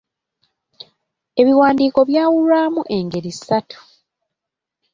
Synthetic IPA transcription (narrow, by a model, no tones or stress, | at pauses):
e̞βiwaːndiːko̞βjaːwulwaːmuʔe̞ŋɡe̞ɾisatu̥